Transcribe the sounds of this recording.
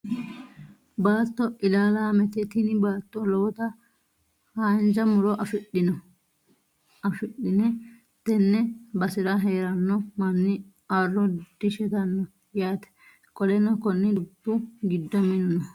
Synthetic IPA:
baːt̪ːɔʔɪlaːlaːmɛt̪ɛt̪ɪnɪbaːt̪ːɔlɔwt̪ɐ | haːnd͡ʒɐmʊɾɔʔɐfɪɗɪnɔ | ɐfɪɗːɪnɛ | t̪ɛnːɛbɐsɪɾɐɦeːɾɐnːɔmɐnːɪ | arːɔd̪̥ɪʃɛt̪ɐnːɔ | jaːt̪ɛ̥ | kʼɔlɛnɔkɔnːɪd̪ʊpːʊɡɪd̪ːɐmɪnʊnɔ

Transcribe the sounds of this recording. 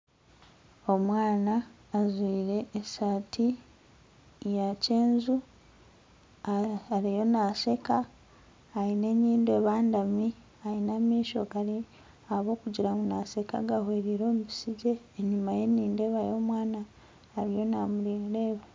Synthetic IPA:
o̞mwaːnaː | zwiːɾe̞ːsatʰi | jace̞ːnzu | aaɾijo̞nasekaː | ine̞ɲiːndeːβaːndami | ainamiːʃo̞̰ɡali | aβo̞ːkuɟiɾamunaseka̰ɡahwe̞ːɾiɾo̞ːmubisiɟe̞ːɲumaje̞nːiːnde̞βajo̞ːmwaːnaː | ɾijo̞namuliːnleːβa

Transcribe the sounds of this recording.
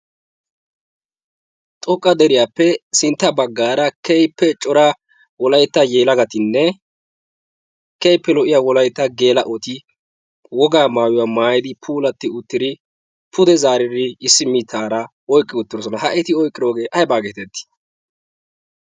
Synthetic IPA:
t̪ʼɔkʼːɐd̪ɛɾɪjaːpːɛsɪnt̪ːɐbɐɡːaːɾɐkɛjpːɛt͡ʃʼɔɾɐ | wɔlɐjt̪ːɐjeːlɐɡɐt̪ɪnːɛ | kɛjpːɛlɔʔɪjaːwɔlɐjt̪ːɐɡe̞ːlɐʔɔt̪ɪ | wɔɡaːmaːjʊwaːmaːjɪd̪ɪpʰuːlɐt̪ːɪʊt̪ːɪd̪ɪ | pʰʊd̪ɛzaːɾɪd̪ɪɪsːɪmit̪ʰːaːɾɐ | ɔjkʼːɪwɔt̪ːɪɾɔsɔnɐɦɐʔɛt̪ɪɔjkʼɪɾoːɡe̞ːʔɐjbaːɡeːt̪ɛt̪ːɪ̥

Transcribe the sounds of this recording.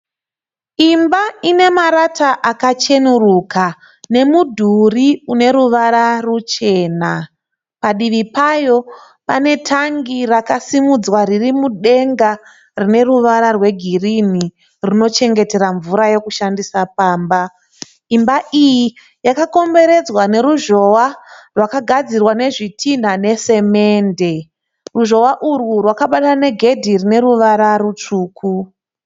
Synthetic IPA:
imbaine̞maɾataʔakat͡ʃe̞nuruka | ne̞mudʱuriune̞ɾuʋaɾarut͡ʃe̞ːna | paɗiʋipajo̞ | pane̞tʰaŋɡirakasimud͡zwaririmuɗe̞ŋɡa | rine̞ruʋaɾarwe̞ɡʱirini | rino̞t͡ʃe̞ŋɡe̞te̞ɾaɱvuɾaje̞kuʃandisapaːmba | imbaʔiji | jakako̞mbe̞ɾe̞d͡zwane̞ɾuʒo̞warwakaɡʱad͡zirwane̞ʐitʰin̤ane̞se̞me̞ːnde̞ | ruʒo̞waʔurwurwakaɓatane̞ɡʱe̞dʱirine̞ɾuʋaɾaɾut͡ʂuːkʰu

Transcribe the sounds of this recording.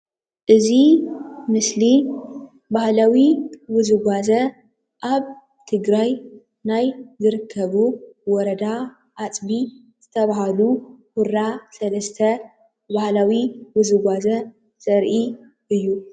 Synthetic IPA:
ʔɨzimɨsli | bahlawiwɨzɨɡʷazɐ | ʔaβ | t̪ʰɨɡɾaj | najzɨɾɨkʰːɐβuwɔɾɐd̪a | ʔat͡sʼbi | z̥ɨt̪ʰɐβaɦaluhuɾasɐlɐst̪ʰɐ | bahlawiwɨzɨɡʷazɐ | sʼɐɾʔi | ʔɨjːu

